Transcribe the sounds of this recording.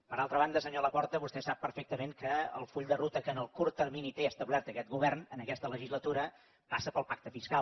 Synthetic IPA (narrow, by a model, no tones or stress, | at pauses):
pəɾalˠt̪ɾəβ̞and̪əsəɲoləpɔɾt̪əβust̪ɛsapːəɾfek̚t̪əmeŋkəə̰lˠfuʎd̪ərut̪əkəːnəlˠkuɾt̪ərminit̪eəst̪əβlɛrt̪əkɛt̪̚ɣuβɛrnənəkɛst̪ələʒizlət̪uɾə | pasəpəlˠpak̚t̪əfiskal